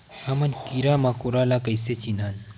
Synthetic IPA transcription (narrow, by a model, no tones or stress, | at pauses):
amɐnkiɾamakoɾalakɐjset͡ʃinaːn